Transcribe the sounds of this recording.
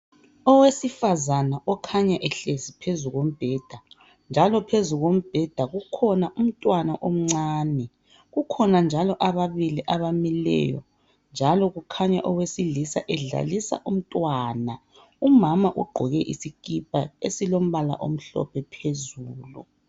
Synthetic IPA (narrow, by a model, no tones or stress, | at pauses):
ɔwesifazanaʔɔkʰaɲaʔɛɬezipʰezuɣom̩b̥ʱɛːd̥ʱa | nd͡ʒʱalɔpʰezuɣom̩b̥ʱɛd̥ʱaɣukʰɔnaʔum̩tʼwanaʔom̩ŋ͡ǀaːnɛ | ɣukʰɔnand͡ʒʱalɔʔaβaβiliʔaβamilɛ̰jɔ̰ | nd͡ʒʱalɔɣukʰaɲaʔɔwesilisa̰ʔɛɮa̰lisa̰ʔum̩tʼwana | umamaʔuɡ͡ǃʱɔɣɛʔisikʼipʼaesilom̩βala̰ʔom̩ɬɔ̰pʰɛpʰezuːlṵ